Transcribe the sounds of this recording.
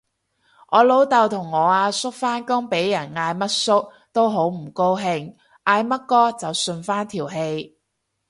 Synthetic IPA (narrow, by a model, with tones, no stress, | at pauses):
ʔɔː˨˧lo˨˥wt̪ɐ˨wt̪ʰʊ˨˩ŋːɔː˨˧aː˧sʊ˥k̚faː˥nkʊ˥ŋpe˨˥jjɐ˨˩nŋaː˧jmɐ˥t̚sʊ˥k̚ | t̪o˥wɦo˨˥wm̩˨˩ko˥wɦɪ˧ŋ | taː˧jmɐ˥t̚kɔː˥t͡sɐ˨wsɵ˧nfaː˥nt̪ʰiː˨˩wɦe˧j